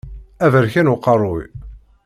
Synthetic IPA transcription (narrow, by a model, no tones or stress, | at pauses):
ævəɾçænuqːɑrˤʊj